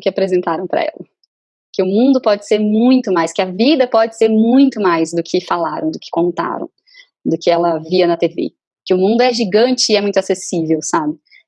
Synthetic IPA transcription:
kɪapɾezẽnt̪aɾɐ̃w̃pɾɐ̰ɛ̰lɐ | kɪʊmũnd̪ʊpɔd͡ʒɪ̥seɾmũj̃t̪ʊmajskɪɐvid̪ɐpɔd͡ʒɪseɾmũj̃t̪ʊmajzd̪ʊkʰɪfalaɾɐ̃w̃d̪ʊkɪ̥kõnt̪a̰ɾɐ̰̃w̃ | d̪ʊkɪɛlɐviɐnɐt̪evḛ | kɪʊmũnd̪ʊɛʒiɡɐ̃nt͡ʃɪɪɛmũj̃t̪ʊasesivewsabɪ

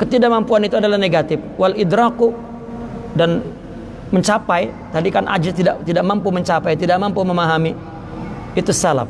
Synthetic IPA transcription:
kət̪idaʔmampuanit̪uadalahneɡat̪ɪfwalid̪ɾaku | dan | məɲt͡ʃapaj | t̪adikanʔa̰d͡ʒat̪idaʔt̪idaʔmampuməɲt͡ʃapajt̪idaʔ̚mampuməmaɦamiː | t̪usala̰p̚

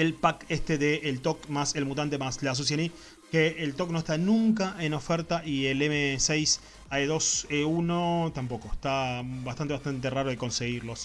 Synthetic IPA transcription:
elpakest̪eðeʔːlt̪okmaselmut̪̬ant̪̬emaslas̬us̬jeni | keelt̪o̞kno̞eht̪anũŋk̬aʔe̞no̞feɾt̪aʔielemesejs | aeðo̞seuno̞t̪ampo̞koest̪abast̪ant̪east̪ant̪eraɾoð̞e̞ko̞nse̞ɣiɾlo̞s

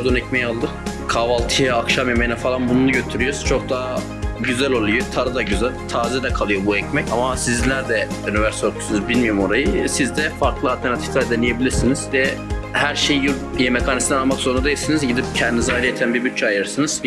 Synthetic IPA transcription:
d̪onɛcmɛjalˠd̪ɯkʰavalˠt̪ʰɯjaakʃamjemejnɛfalˠanbununuɟø̞t̪ʰyɾyjoz̥t͡ʃʰo̞k̚d̪a | ɟyzælʲolˠujot̪ʰaɾɯd̪aɟyzælʲt̪ʰaːzɛd̪ɛkʰalˠɯjo̞buɛcmɛcamasizlʲæɾd̪ɛynivɛɾsoɾk̪ʰu̥snzbilʲmijomo̞ɾajɯsizd̪ɛfaɾklˠɯalʲt̪ʰeɾnat̪ʰi̥flʲæɾd̪ɛnijebilʲiɾsiniz̥d̪ɛhæɾʃejj | jemekʰanisd̪ɛnamak̪sonud̪ajiɯɾsinizɟid̪ip̚cʰɛnd̪inizaɾajɛt̪ʰænbiɾbyt̪̚t͡ʃʰːɛajɯɾɯɾsɯnɯz̥

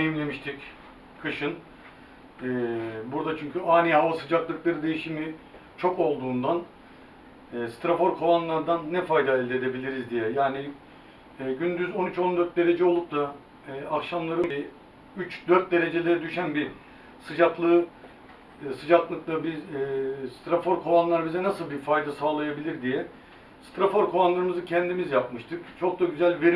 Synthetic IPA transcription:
ejimlʲe̞miʃt̪ʰic | kʰɯʃɯn | buɾd̪at͡ʃʰyɲcʰyʔaːnihavasɯd͡ʒaklˠɯklˠaɾɯd̪e̞jiʃimi | t͡ʃʰo̞ko̞lˠd̪uːnd̪an | ɛːst̪ɾafo̞ɾkʰo̞lˠanlˠaɾd̪anːɛfajd̪aɛlʲd̪ed̪e̞bilʲiɾizd̪ijɛjaːni | ɟynd̪yzo̞nyt͡ʃo̞nd̪ø̞ɾt̪̚d̪e̞ɾe̞d͡ʒɛo̞lˠup̚t̪ʰa | ɛːakʃamlˠaɾɯi | yt͡ʃd̪øɾt̪̚d̪e̞ɾe̞d͡ʒe̞lʲeɾɛd̪yʃænbi | sɯd͡ʒaklˠɯ | sɯd͡ʒaklˠɯklˠabiː | st̪ɾafo̞ɾkʰo̞lˠanlˠaɾbizɛnasɯlˠbifajd̪asaːlˠajabilʲiɾd̪ijɛ | st̪ʰɾafo̞ɾkʰo̞lanlˠaɾɯmɯzɯcʰɛnd̪imizjapmɯʃt̪ʰɯkt͡ʃʰo̞k̚d̪aɟyzælʲve̞ɾi

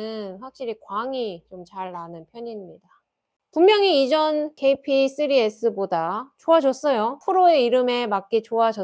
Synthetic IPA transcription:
ɯnɸwak̚ɕ͈iɾikwaŋit͡ɕomt͡ɕaɭːanɯnpʰjʌɲiɲimɲida | pummjʌŋiid͡ʑʌnkʰe̞ipʰis͈ɯɾies͈ʰɯbodat͡ɕoad͡ʑʌs͈ʌjopʰuɾoe̞iɾɯme̞mak͈it͡ɕoad͡ʑʌ

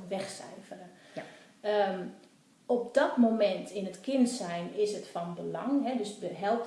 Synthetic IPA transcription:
ʋɛxsɛ̰jfərə | ə | ɔp̚dɔtmomɛntʰɪnətkɪnsɛjnɪsətfɔnbəlɑŋɦɛdøsdəɦɛlˠp

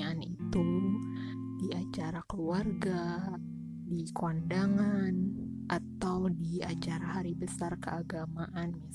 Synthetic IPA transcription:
anit̪u | diat͡ʃaɾakəluarɡa | dikwandaŋan | ʔat̪awdiat͡ʃaɾahaɾibəsarkəaɡamaʔanma

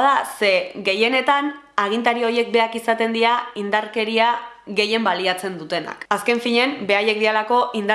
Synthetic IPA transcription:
ðase̞ɣe̞je̞ne̞t̪an | aɣ̞int̪aɾioɾje̞k̚be̞akisat̪e̞nd̪iaind̪aɾke̞ɾiaɣe̞je̞mbaliat͡se̞nd̪ut̪e̞na̰kaske̞ɱfiɲe̞mbe̞aje̞k̚d̪ielako̞ʔind̪

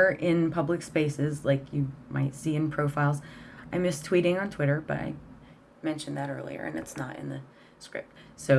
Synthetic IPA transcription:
ə˞ʔɪ̃npʰʌblɨkspeɪsɪzlaɪkʰjɨma̰ɪtsiɨ̃npʰɹ̥oʊfaɪlˠzãɪ̃md͡ʒʌstʰw̥iɾɪ̃ŋə̃ntʰw̥ɪɾə˞b̥ʌ̰ɾa̰ɪ | mɛ̃nʃɨ̃nðɨɾɜ̰˞lˠḭə̰˞ʔɨ̰̃nɨ̰tsnə̰ɾɨ̰̃nðɨ | skɹɪ̰p̚t̚soʊ

